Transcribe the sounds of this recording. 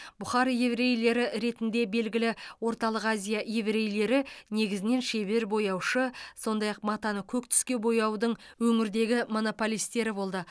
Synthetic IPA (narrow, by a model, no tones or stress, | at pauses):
b̥ʊχɑɾjevɾe̞jle̞ɾɪɾe̞t̪ɪnd̪e̞be̞lɡʲɪlɪwo̞ɾt̪ɑlˠəqazʲijajevɾe̞jle̞ɾɪne̞ɡʲɪzɪne̞nʃe̞βe̞ɾbo̞jɑwʃəso̞nd̪ɑjɑq̚mɑt̪ɑnəkʲʰɵkt̪ʰʏ̥skʲe̞bo̞jɑwd̪əɴwɵŋɪɾd̪e̞ɡʲɪmo̞no̞polijst̪e̞ɾɪbo̞lˠd̪ə